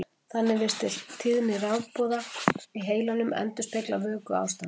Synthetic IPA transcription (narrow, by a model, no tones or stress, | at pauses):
θanːɪvɪr̥st̪ɪl̥t̪ʰɪðnɪrawpɔːðaiɦeːjlanʏmɛ̰nt̪ʏ̥spʰek̪lawvœːkʏa̰ːwst̪an